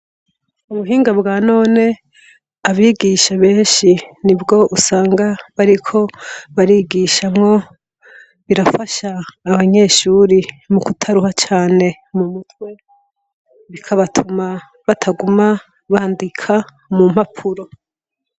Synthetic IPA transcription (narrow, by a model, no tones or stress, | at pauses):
umuɦiːŋɡabɡaːno̞ːne̞ | aβiɡiʃaβe̞ːnʃinibɡo̞ʔusaːŋɡaβaɾikʰo̞βaɾiːɡiʃamŋo̞ | βiɾafaʃaːβaɲe̞ːʃuːɾi | mukutʰaɾuhat͡ʃaːne̞ | mumutwe̞ | βikʰaβatʰuma | βatʰaɡuma | βaːndikʰa | mum̥hapʰuɾo̞